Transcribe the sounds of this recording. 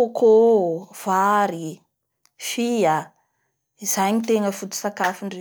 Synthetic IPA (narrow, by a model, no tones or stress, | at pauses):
okʰov̥aɾi | fia | izajɲit̪eŋəfut̪u̥sakafiɳɖ͡ʐe